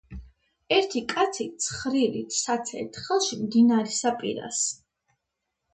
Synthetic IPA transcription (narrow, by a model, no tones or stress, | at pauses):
ɛɾt̪ʰikʼat̪sʰit̪sʰχɾilit̪ʰsat̪sʰɛ̰t̪ʰχɛlˠʃimd̪inaɾɛsapʼḭɾa̰s